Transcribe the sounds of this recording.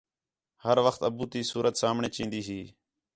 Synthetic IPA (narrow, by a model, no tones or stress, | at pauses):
həɾʋəxt̪əbuːt̪iːsuːɾʔət̪saːmɳeːt͡ʃĩːnd̪iːɦiː